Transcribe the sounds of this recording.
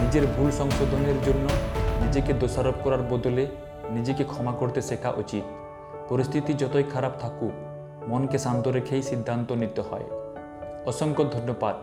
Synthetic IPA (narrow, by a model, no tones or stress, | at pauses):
nid͡ʑeɾbʱulsɔŋʃod̪ʱoneɾd͡ʑonːonid͡ʑeked̪osaɾob̚kɔɾaɾbɔd̪ole | nid͡ʑekekʰɔmakoɾt̪esekʰa̰ʔot͡ɕit̪̚ | pɔɾist̪ʰit̪id͡ʑɔt̪ojkʰaɾab̚t̪ʰaku | mɔnkesant̪oɾekʰejsid̪ʱːant̪onit̪ohɔ̰e | ɔʃɔŋkod̪ʱonjobad̪̚